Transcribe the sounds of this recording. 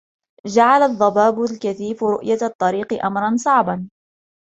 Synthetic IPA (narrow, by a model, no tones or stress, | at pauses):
d͡ʒaʕalaðˤːɑbaːbʊlkaθiːfɾʊʔjat̪ˤːɑɾiːqɨʔamɾˤɑnsˤɑʕbɑn